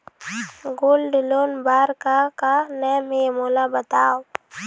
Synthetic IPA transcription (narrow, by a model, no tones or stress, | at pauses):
ɡolɖloːnbaːɾkakanɛmemoːlabət̪aːo